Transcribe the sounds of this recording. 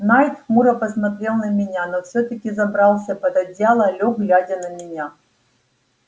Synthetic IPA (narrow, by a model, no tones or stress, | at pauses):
najt̪xmuɾɐpɐsmɐt̪ɾʲelˠnɐmʲɪnʲanofsʲot̪əkʲɪzɐbɾalˠsʲɐpɐd̪ɐdʲjalˠɐlʲoɡɡlʲadʲɐnɐmʲɪnʲa